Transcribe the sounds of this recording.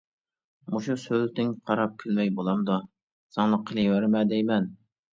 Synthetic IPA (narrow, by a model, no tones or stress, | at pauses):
uʃusølt̪ɪŋqʰɑɾɑp̚kʲʰylmɛjbolˠɑmd̪u | sɑŋlˠəqʰəlˠiwæɾmɛd̪ɛjmɛn